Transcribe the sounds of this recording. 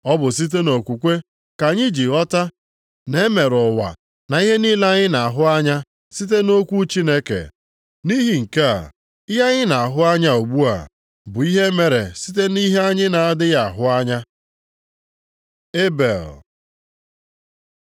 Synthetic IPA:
ɔ˦bʊ˨s̬i˦t̬e˦no˨kʷu˨kʷe˦ | ka˨ɲɪ˦d͡ʒi˨ɣɔ˦ta˦ | ne˦me˨ɾʊ˨wa̰˨ | na˨i˦ɦe˦ni˦la˦ɲɪ˦na˨a˨ɦʊ˦a˦ɲa˦ | si˦t̬e˦no˦kʷu˦t͡ʃi˦ne˦kḛ˨ | ni˦ɦi˨ŋ̩˨ke˦a̰˨ | ɪ˦ja˦ɲɪ˦na˨a˨ɦʊ˦a˦ɲa˦o˨ɡ͡bu˦a̰˨ | bʊ˨i˦ɦe˦me˨ɾḛ˨si˦t̬e˦ni˦ɦe˦a˦ɲɪ˦na˨a˦dɪ˦ja˨a˨ɦʊ˦a˦ɲa˦ | e˦bḛ˨l

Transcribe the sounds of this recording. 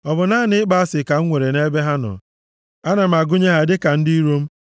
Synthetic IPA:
ɔ˨bʊ˨na˦˨nɪ˦ɪ˦ɡ͡ba˨˦a˦sɪ˨ka˨ŋ̩˦ŋʷe˨ɾe˨ne˦be˦ɦa˦nɔ̰˨ | a˦na˨m̩˨a˨ɡʊ˦ɲe˦ɦa˨dɪ˦ka˨n̩˦di˦i˦ɾo˦m̩˦

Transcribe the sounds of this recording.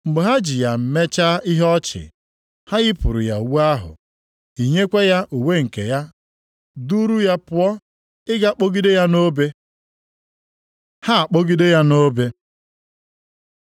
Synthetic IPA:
ŋ͡m̩˨ɡ͡be˨ɦa˦d͡ʒi˨ja˨m̩˨me˦t͡ʃa˦i˦ɦɔ˦t͡ʃɪ̰˨ | ha˦ɣɪ˦pʊ˨ɾʊ̰˨ja˨wu˦a˦ɦʊ̰˨ | i˨ɲe˦kʷe˦ja˦ʔu˨we˦ŋ̩˨ke˨ja˦ | du˦ɾu˦ja˦pʊ˦ɔ˦ | ɪ˦ɡa˦k͡po˦ɡi˦de˦ja˦no˦be˦ | ha˦a˨k͡po˦ɡi˦de˦ja˦no˦be˦

